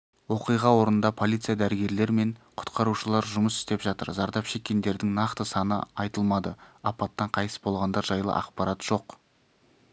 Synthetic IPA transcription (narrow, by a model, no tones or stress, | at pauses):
wo̞qijʁɑwo̞ɾənənd̪ɑpʰo̞lʲˠijt̪sɨjad̪æɾɪɡʲe̞ɾle̞ɾme̞ɴqʰʊ̥t̪qɑɾuʃəlˠɑɾʒʊməsɪ̥st̪e̞pʒɑt̪ə̰ɾzɑɾd̪ɑpʃe̞kʲːe̞nd̪e̞ɾd̪ɪŋnɑqt̪əsɑnə̰ɑjt̪əlˠmɑd̪əɑpɑt̪ːɑɴqʰɑjt̪əsbo̞lˠʁɑnd̪ɑɾʒɑjlˠə̰ʔɑ̰qpɑɾɑt̪ʒ̥o̞q